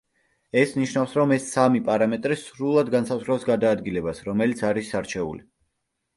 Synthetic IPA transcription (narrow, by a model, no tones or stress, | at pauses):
ɛsniʃnavfsɾɔmɛsːamipʼaɾamɛt̪ʼɾisɾulˠad̪ɡansazʁɾɛsɡad̪aːd̪ɡilɛbasɾɔmɛlit̪sʰaɾisːaɾt͡ʃʰɛṵli